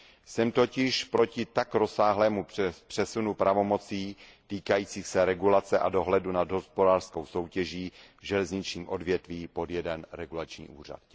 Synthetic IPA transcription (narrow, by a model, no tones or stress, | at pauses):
sɛmt̪o̞cɪʃpɾo̞cɪt̪akɾo̞saːɦlɛːmupr̥ɛsunupɾavo̞mo̞t͡siːt̪iːkajiːt͡siːxsɛɾɛɡulat͡sɛʔa̰do̞ɦlɛdunad̪ɦo̞spodaːr̥skowso̞wcɛʒiːvʒɛlɛzɲɪt͡ʃɲiːmʔo̞dvjɛt̪viːpo̞djɛdɛnɾɛɡulat͡ʃɲḭːʔuːr̝a̰t̪